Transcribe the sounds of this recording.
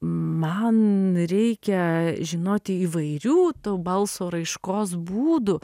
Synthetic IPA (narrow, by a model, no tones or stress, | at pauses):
mɐnɾʲɛɪkʲɛʒʲɪnoːt̪ʲɪiːʋɐɪɾʲuːt̪oːbɐlˠsoːɾɐɪʃkoːsbuːd̪ʊ